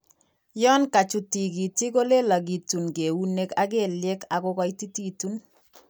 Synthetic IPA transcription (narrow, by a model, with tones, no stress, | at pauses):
jɔ˦nka˨t͡ʃu˨ti˨ki˨ti˦ko˦le˦la˨ɡi˨tu˨nke˨wu˦ne˦ka˦ke˦ljɛ˦ka˨kɔ˦kɔ˦iti˦ti˦tu˦n